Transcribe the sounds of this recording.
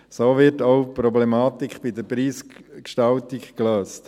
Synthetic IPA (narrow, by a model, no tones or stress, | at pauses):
soːʋɪɾtowpɾɔblɛmaːtikχb̥ɪd̪əɾpɾiːskʃtɑwtikkløːst